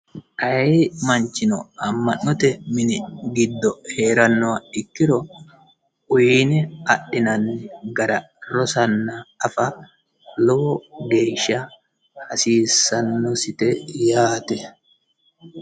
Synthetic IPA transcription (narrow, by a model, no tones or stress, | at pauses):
ʔɐɛmɐnt͡ʃɪnɔ̰ɐmːɐnːɔt̪ɛmɪnɪɡɪd̪ːɔhe̞ːɾɐnːɔɐɪkːɪɾɔ | ʔʊjiːnɛɐɗɪnɐnːɪɡɐɾɐ | ɾɔsɐnːɐɐfɐ | loɡe̞ːʃːɐ | hɐsiːsːɐnːɔsɪt̪ɛjaːt̪ɛ